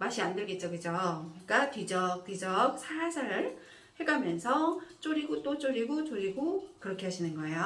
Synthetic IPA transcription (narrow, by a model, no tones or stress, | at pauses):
maɕʰiandeɡe̞t̚t͡ɕ͈okɯd͡ʑoɲik͈atɥid͡ʑʌk̚tid͡ʑʌk̚sʰaasʰaɾɯɭ | heɡamjʌnsʰʌt͡ɕ͈oɾiɡot͈ot͡ɕ͈oɾiɡot͡ɕ͈oɾiɡokɯɾʌkʰeɦaɕʰinɯnɡʌejo